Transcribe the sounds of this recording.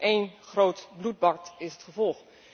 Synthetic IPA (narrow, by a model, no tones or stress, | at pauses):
ʔejnχrowtblut̚bɑɹ̚tɪsətχəvɔlˠχ